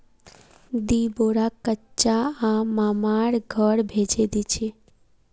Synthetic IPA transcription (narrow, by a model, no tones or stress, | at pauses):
d̪iboɽakətːt͡ʃaãmaːmaɽɡʱəɽbʱed͡ʒed̪it͡ʃʰe